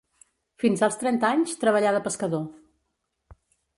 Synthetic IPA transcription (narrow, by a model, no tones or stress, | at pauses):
finzalˠst̪ɾɛnt̪aɲst̪ɾəβəʎaðəpəskəðo